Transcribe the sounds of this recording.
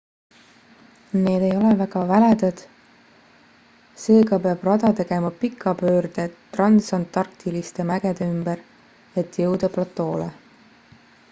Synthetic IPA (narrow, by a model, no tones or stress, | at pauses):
ne̞ːd̪̥e̞jo̞levæɡ̥ɑvæled̪ɑd̪̥ | se̞ːɡɑpeɑb̥rɑd̪ɑt̪e̞ɡ̥e̞mɑpikʰːˑɑpøːrd̪̥e̞t̪rɑnsɑnt̪ːɑrkt̪ilist̪e̞mæɡ̥ed̪eymbeɾ | e̞t̪ːˑjɤwd̪ɑplɑt̪ːˑo̞ːle